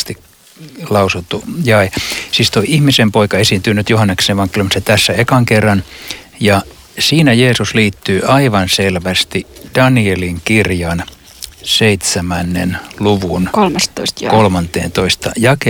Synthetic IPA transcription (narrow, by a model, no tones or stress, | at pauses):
st̪i | lɑusut̪ːujɑesiːst̪oiihmisempoikɑesiˑnt̪yːnyt̪johɑnːekseʋɑŋkelymiset̪æsːæekɑŋkerːɑn | jɑ | siːnæjeːsusliːt̪ːyːʔɑiʋɑnselʋæst̪id̥ɑnieliŋkirjɑn | seit̪sæmænːḛnluʋunkolmɑsst̪kolmɑnt̪ḛːnt̪oist̪ɑ̰jɑke